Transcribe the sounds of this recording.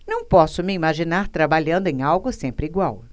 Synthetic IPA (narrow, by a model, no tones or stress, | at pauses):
nɐ̃w̃pɔsʊmɪimaʒinaɾt̪ɾabaʎɐ̃nd̪ʊẽj̃awɡʊsẽmpɾɪiɡwaw